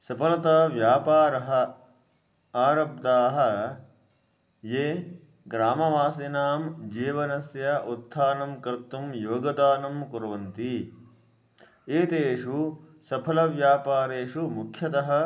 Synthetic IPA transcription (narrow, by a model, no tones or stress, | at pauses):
sɐpʰɐlɐt̪ɐʋjaːpaːɾɐɦɐ̆ | aːɾɐb̚d̪aːɦɐ̆ | jeː | ɡɾaːmɐʋaːsinaːmd͡ʒiːʋɐnɐsjɐʔut̪ʰːaːnɐmkɐɾt̪ːumjoːɡɐd̪aːnɐmkuɾɐʋɐnt̪i | eːt̪eːʂu | sɐpʰɐlɐʋjaːpaːɾeːʂumukʰjɐt̪ɐɦɐ̆